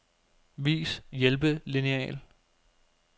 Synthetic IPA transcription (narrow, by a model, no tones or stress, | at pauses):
ʋḭːsjelb̥əlineɛ̰ːl